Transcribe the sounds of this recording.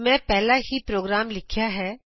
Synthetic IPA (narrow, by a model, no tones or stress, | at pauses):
mɛ̃ːpɛɦlaɦipɾoːɡɾaːmlɪkʰjaɦɛː